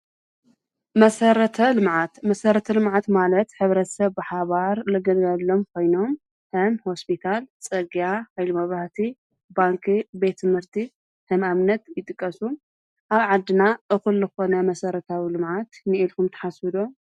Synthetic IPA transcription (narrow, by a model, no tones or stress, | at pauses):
mɐsɐɾɐt̪ʰɐlɨmʕat̪mɐsɐɾɐt̪ʰɐlɨmʕat̪malɐt̪ħɨβɾɐt̪sɐβbɨħaβaɾlɨɡɐlɡalːo̞mkʰo̞jno̞m | hɨmho̞spʰit̪ʰalt͡sʼɐɡijahajlimɐβaht̪ʰi | baŋkʰibe̞t̪ʰːɨmhɨɾt̪ʰi | hɨmamnɐt̪jɪt̪ʼɨkʼːɐsu | ʔaβʕad̪ːɨnaʔɨxɨlːɨxo̞nɐmɐsɐɾɐt̪ʰawilɨmʕat̪nɨilkumt̪ʰɐ̥ħasɨd̪o